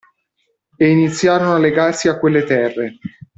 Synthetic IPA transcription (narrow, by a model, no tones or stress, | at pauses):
einit̪sːjaːɾonoalːeɡarsiakːwelːet̪ɛrːe